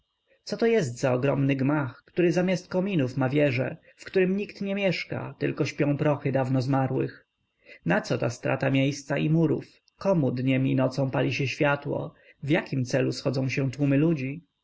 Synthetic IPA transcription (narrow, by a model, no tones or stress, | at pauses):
t̪sɔt̪ɔjɛst̪zaɔɡɾɔmnɘɡmaxkt̪uɾɘzamʲjast̪̚kɔmʲinufmavʲjɛʐɛ̰ | fkt̪uɾɘmɲikt̪ɲɛmʲjɛʂka̰t̪ɘlkɔɕpʲjɔ̃w̃pɾɔxɘd̪avnɔzmaɾwɘ̰x | nat̪sɔt̪ast̪ɾa̰t̪amʲjejst̪saimuɾṵf | kɔmud̪ɲɛmʲinɔt̪sɔ̃w̃palʲiɕɛɕfʲjat̪wɔ̰ | vjakʲimt̪sɛlusxɔd̪zɔ̃w̃ɕɛ̃t̪wumɘlud͡ʑi